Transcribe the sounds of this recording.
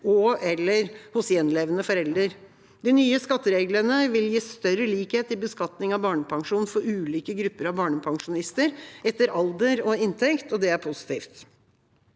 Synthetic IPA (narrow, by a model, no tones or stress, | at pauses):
ɔɛlːəɾhʊsjɛnleːʋənəfɔɾɛld̪ɾəɾ | d̪inyːəskɑt̪ːəɾeːɡlənəʋɪljiːst̪œɾːəliːkheːt̪ɪbəskɑt̪nɪŋɑʋbɑːɳəpʰɑŋʂuːnn̩fɔɾʉːliːkəɡɾʉpːəɾɑʋbɑːɳəpʰɑŋʂʊnɪst̪əɾʔɛt̪ːəɾɑld̪əɾɔɪnt̪ʰɛkt̪ɔd̪ɛæɾpʰʊsɪ̥t̪ʰiːft̪